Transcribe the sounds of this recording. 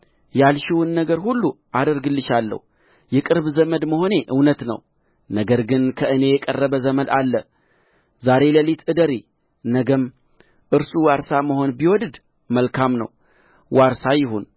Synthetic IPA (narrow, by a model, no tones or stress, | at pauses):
jalʃɪwɨnːəɡəɾhulːuʔad̪əɾɡɨlːɨʃalːə̰hu | jɛkʼɨɾbzəməd̪məho̞ne̞ʔɨwnət̪nə̰w | nəɡəɾɡɨnkʰəʔɨne̞jɛkʼərːəbəzəməd̪alːə | zaɾe̞ləlit̪ʰɨd̪əɾi | nəɡəm | ʔɨɾsuwaɾsaməho̞nbiwɔd̪ɨd̪ | məlkʰamnə̰w | waɾsajɪɦun